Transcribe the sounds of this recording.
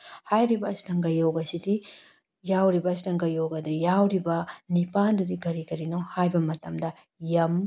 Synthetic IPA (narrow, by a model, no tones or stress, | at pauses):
hajɾibɐːstɐŋɡɐjowɡɐsidi | jawɾibɐs̬itɐŋɡɐjowɡɐdɐjawɾibɐnipandudiɡɐɾiɡɐɾinohajbɐmɐtɐmdɐ | jɐm